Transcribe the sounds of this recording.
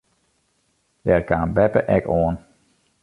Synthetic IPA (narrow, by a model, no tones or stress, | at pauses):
dɛrkaːnbɛpə̰ʔɛkoːən